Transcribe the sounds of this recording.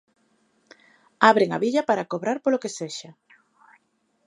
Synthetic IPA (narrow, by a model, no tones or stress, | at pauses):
aβɾeŋa̰βiʎapaɾakoβɾaɾpolokeseʃa